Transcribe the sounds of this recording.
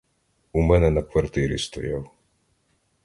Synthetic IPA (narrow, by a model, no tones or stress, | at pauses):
umɛnɛnɐkʋɐrt̪ɪɾʲḭst̪ɔ̰jaw